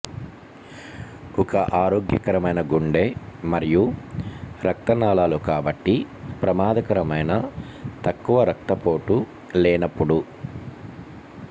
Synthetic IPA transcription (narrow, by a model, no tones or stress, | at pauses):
ɔkɐʔaːɾo̞ːɡjɐkɐɾɐmɐjnɐɡuɳɖe̞ːmɐɾiju | ɾʔɐk̚t̪ɐnaːlaːlukaːbɐʈːipɾɐmaːd̪ɐkɐɾɐmɐjnɐ | t̪ɐkːuʋɐɾɐk̚t̪ɐpoːʈu | lɛːnɐpːuɽu